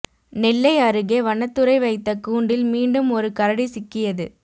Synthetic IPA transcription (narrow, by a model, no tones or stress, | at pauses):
nɪlːɐɪɐɾɯɣeːʋɐɳɐt̪ːɯɾɐɪʋɐɪt̪ːɐkuːɳɖɪlmiːɳɖɯmɔɾɯkɐɾɐɽisɪkːɪjɐðɯ